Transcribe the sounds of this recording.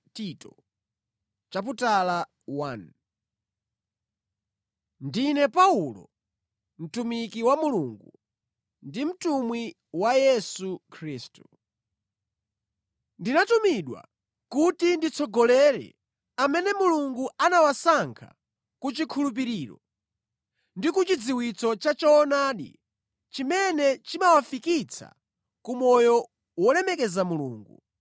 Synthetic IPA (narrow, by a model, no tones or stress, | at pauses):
titɔ | t͡ʃaputala | wan | ndinɛpaulɔ̰ | m̩tumikiwamuluŋɡu | ndim̩tumwi | wajɛsukʰɾiːstu | ndinatumiɗwa̰ | kutindit͡sʰɔɡɔlɛɾɛ̰ | amɛnɛmuluŋɡuanawasaŋkʰa̰ | kut͡ʃikʰulup̬iɾiːɾɔ̰ | ndikut͡ʃid͡ziwit͡sɔt͡ʃat͡ʃɔːnaːɗḭ | t͡ʃimɛnɛt͡ʃimawafikit͡sʰa̰ | kumɔjɔ | wɔlɛmɛkɛzamulṵːŋɡu